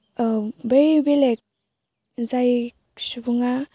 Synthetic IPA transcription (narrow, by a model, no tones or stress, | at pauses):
bejbelek̚ | zaj | subuŋa